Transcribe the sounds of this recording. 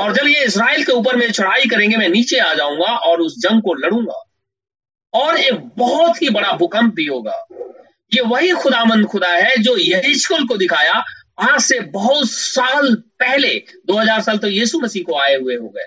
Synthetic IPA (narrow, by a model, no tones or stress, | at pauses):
ɔːɾd͡ʒɐbjeɪs̬ɾaːelkeuːp̬əɾmeːit͡ʃʰʊɽ̤aːikɐɾẽːŋɡemɛ̃niːt͡ʃeaːd͡ʒaːũːŋɡaʔɔːɾʊsd͡ʒɐ̃ŋɡ̚kolɐɽ̤ũːŋɡa̰ː | ɔːɾeːk̚bɔɦʊt̪ɦibɐɽabʱʊkə̃mp̚bʱiɦoːɡa̰ː | jeʋɐɦixʊd̪aːʋə̃nd̪xʊd̪aɦɛd͡ʒoːjɐɦiʃkəlk̬od̪ɪkʰaːja | ɐɦãsebɐɦʊt̪saːlpɛɦled̪oːɦɐzaːɾsaːlt̪ojiːsumɐsiːɦkoaːeɦʊeɦo̰ːɡɐḛː